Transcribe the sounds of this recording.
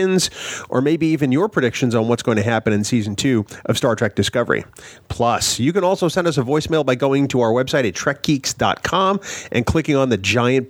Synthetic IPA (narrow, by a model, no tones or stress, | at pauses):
ɨ̃nzʔə̰˞meɪbiivɨ̃njə˞pʰɹ̥ɨdɪkʃɨ̃n̩zn̩wʌtsɡ̥oʊɪ̃ŋtʰɨɦæpɨ̃ñɨ̃nsizɨ̃n̩tʰʉʔʌv̥stɑɹtʰɹ̥ɛk̚d̥ɨskʌvə˞ḭpʰl̥ʌsjɨkɨ̃ñɔlˠsoʊsɛ̃ndʌsəvɔɪsmeɪlˠbaɪɡoʊɪ̃ŋtʰəaʊə˞wɛb̥saɪɾɨtʰɹ̥ɛkʰːiksd̥ɑ̰t̚kʰɑ̃mʔɨ̰̃nkʰl̥ɪkɪ̃ŋə̃nðɨd͡ʒaɪɨ̃n